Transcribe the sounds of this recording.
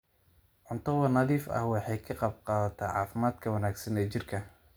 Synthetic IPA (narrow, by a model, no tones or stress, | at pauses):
ʕʊnt̪ʰɐwɐnɐðiːfɐ̰hwɑħɑjkʰɐqɑb̚qɑːðɐt̪ʰɛʕɑ̰ːfɪmaːd̪kʰɐwɐnaːɡsɐnɛːt͡ʃɪrkʰɐ